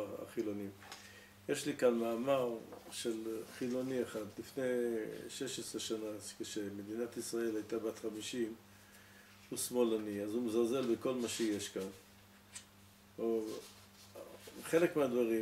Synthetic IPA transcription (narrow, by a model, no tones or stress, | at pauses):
a̰χilo̞nim | jeʃlikanmaːmaʁʃe̞lχilo̞nieχad̪lifne̞ʃe̞ʃesʁeʃanakeʃemed̪inat̪isʁae̞lajt̪abat̪χamiʃim | usmo̞laniazumezalze̞lbeko̞lmaʃejeʃkan | o | χe̞lekmead̪vaʁi